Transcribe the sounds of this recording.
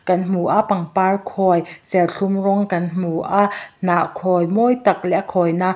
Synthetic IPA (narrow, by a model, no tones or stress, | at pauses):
kɐnm̥uʔapɐŋparkʰɔjsɛlɬumrɔŋkɐnm̥uʔaʔnaʔkʰɔjmɔjt̪ak̚lɛʔakʰɔjna